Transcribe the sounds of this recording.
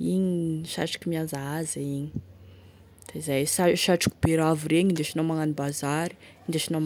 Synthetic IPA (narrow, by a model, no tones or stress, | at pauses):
iɲiʃa̰ʈ͡ʂḁkʲimianzaazaiɲi̥ | d̪̥azajsaʃaʈ͡ʂḁki̥beɾaviɾeɲind̪eʃinawmaŋanibazaɾi̥ | ind̪eʃina